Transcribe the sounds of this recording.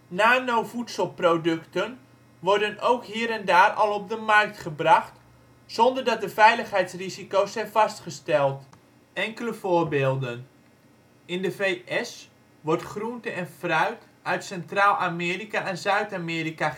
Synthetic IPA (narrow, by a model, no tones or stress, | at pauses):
naːnowvutsəlˠprowdɵktən | ʋɔrdənowkɦiːɾɛndaːrɑlˠɔb̚dəmɑrk̚tχəbrɑχt | sɔndərdɑt̚dəvɛjləχɦɛjtsrizikowsɛjnvɑstχəstɛlˠt | ɛŋkələvoːɹbɪːlˠdən | ɪndəvejʔɛs | ʋɔrtχruntəɛnfrœɥt | œɥtsɛntraːlˠʔamɪːrikaɛnzœɥtaːmɪːrika